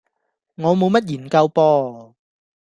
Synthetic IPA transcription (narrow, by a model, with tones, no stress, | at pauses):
ŋɔː˨˧mo˨˧wmɐ˥t̚jiː˨˩nkɐ˧wpɔː˧